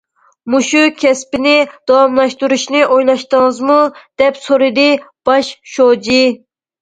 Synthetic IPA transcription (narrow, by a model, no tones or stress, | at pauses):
muʃukʲʰɛspɪnɪd̪̥ɑwɑmlˠɑʃt̪uɾuʃnɨʔojlˠɑʃt̪əŋəzmud̪̥ɛpsoɾɨd̪ɨb̥ɑʃʃod͡ʒi